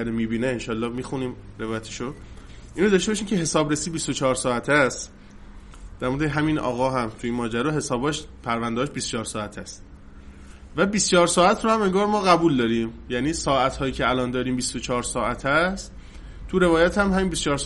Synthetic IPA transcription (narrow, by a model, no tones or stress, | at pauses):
æɾomiːbiːneenʃɒːlːɒːhmiːxuniːmɾe̞vɒːjæt̪ʰe̥ʃo | ʔiːnɾod̪ɒʃt̪eɒːʃiːmcʰeɦe̞sɒːbɾesiːd̪bist̪ot͡ʃʰɒːɾsɒːæt̪ʰæst̪ | d̪̥æɾmod̪eɦæminʔɒ̰ːɣɒːɦæmt̪ʰuiːnmɒːd͡ʒæɾɒːɦe̞sɒːbɒːʃpʰæɾvænd̪eɒːʃbist͡ʃɒːɾsɒːæt̪ʰæst̪ | væbist͡ʃɒːɾsɒːæt̪ʰɾohæme̞ŋɡɒːɾmɒːɣæbuːld̪ɒːɾiːmjæniːsɒːʔæt̪ʰhɒːjiːcʰeælɒːnd̪ɒːɾiːmbist̪ot͡ʃʰɒːɾsɒːʔæt̪ʰæst̪ | t̪ʰuɾe̞vɒːjæt̪ʰhæmhæmiːnbist͡ʃɒːɾ